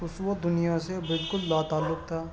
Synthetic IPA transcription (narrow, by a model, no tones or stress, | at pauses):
ʊsod̪ʊnijasebɪlkʊlːaːt̪aːlːʊk̚t̪ʰaː